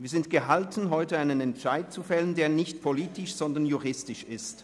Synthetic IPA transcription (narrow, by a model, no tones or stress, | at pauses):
viːɐzɪntɡ̥əɦaltn̩ɦɔʏtəaɪnənɛntʃaɪt̚t͡sufɛləndeːɐnɪçtpʰoliːtɪʃz̥ɔndɐnjuʁɪstɪʃɪst